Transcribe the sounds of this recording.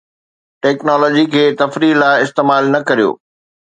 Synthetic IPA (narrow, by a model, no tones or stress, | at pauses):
ʈɛːknɔːlɔːd͡ʑikʰeːt̪ɐfɾilaːɪɪst̪eːmaːlnɐkɐɾijo̰ː